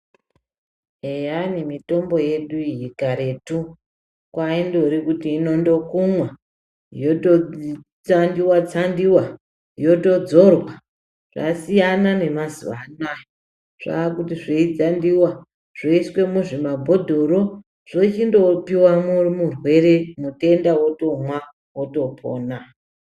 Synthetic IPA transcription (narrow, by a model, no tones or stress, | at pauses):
ejanimito̞mbo̞je̞ɗuiɦikaɾe̞tu | kwaindo̞ɾikutiːno̞ndo̞kumwa | joto | t͡sandiwat͡sandiwa | jo̞to̞d͡zo̞rwa | ʐ̥a̰sijanane̞mazṵa̰najo | ʐ̥a̰ːkutiʐeid͡zandiwa | ʐ̥oiswe̞muʐimabʱo̞dʱo̞ɾo̞ | ʐ̥o̞t͡ʃindo̞piwamurimurwe̞ɾe̞mute̞ndawoto̞mwa | woto̞pʰo̰ːna